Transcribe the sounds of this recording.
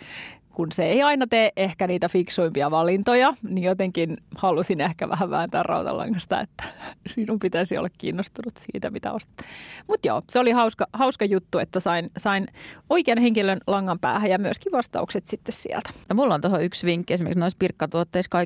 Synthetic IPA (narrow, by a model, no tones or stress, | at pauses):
kunseeiɑinɑt̪eːʔehkæniːt̪æfiksuimpiɑʋɑlint̪ojɑnijot̪eŋkinhɑlusinehkæʋæ̰hæʋʋæ̰nt̪æːrrɑ̰ut̪ɑ̰lːɑ̰ŋːɑst̪ɑ̰ḛt̪ːæ̥sinumpit̪æsio̰lːɑkkḭːnːost̪unut̪sḭːt̪æmit̪æ̰ost̪mut̪jo̰ːseolihɑuskɑhɑuskɑjut̪ːuet̪ːæsɑinsɑinoikeɑnheŋkilønlɑŋːɑmpæ̰ːhæjɑmyøskiʋʋɑst̪ɑ̰ukset̪sit̪ːessḭɛ̰lt̪æ̥jɑmulːont̪ohoyksʋiŋkːiesimerksnoispirkːɑt̪uot̪ːeiskɑi